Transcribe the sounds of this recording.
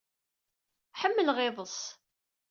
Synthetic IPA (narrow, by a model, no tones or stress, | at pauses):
ħəmːəlʁɪðˤəs